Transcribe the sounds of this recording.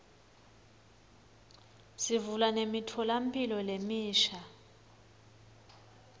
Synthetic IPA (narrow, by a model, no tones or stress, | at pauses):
sivulanemitʰɔlampʼilɔlemiːʃa